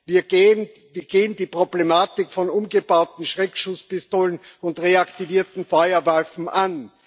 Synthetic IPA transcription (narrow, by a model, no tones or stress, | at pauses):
viːɐɡen | viːɐɡ̥eːəndiːpʁ̥oblemaːtɪkfɔnʊmɡəbaʊtn̩ʃʁɛːkʃʊspɪstoːlənʊntʁeaktiviːɐtn̩fɔʏɐvaɪfn̩ʔan